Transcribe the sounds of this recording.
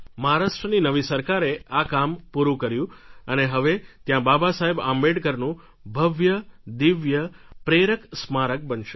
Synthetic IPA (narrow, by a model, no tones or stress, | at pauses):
məɦaɾaʃʈɾəninəʋisəɾkaɾeʔakampuɾũkəɾjũəneɦəʋet̪jãbabasaɦeba̰mbeɽkəɾnũ | bʱəʋjəd̪iʋjəpɾeɾəksmaɾək̚bənʃe